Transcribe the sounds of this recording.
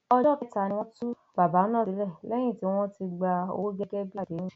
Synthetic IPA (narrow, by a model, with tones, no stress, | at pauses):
ɔ˧d͡ʒɔ˦˨ki˨˦ta˧˨˧nĩ˧w̃ɔ̃˦tu˦ | b̥a˨ba˨˦nã˦˨i˨˦lɛ˦˨lɛ˦j̃ĩ˦˨ti˨˦w̃ɔ̃˦ti˧ɡ͡ba˧o̰˧˦d͡ʒɛ˧ɡɛ˦bi˦a˦˨de˨˦nũ˦˨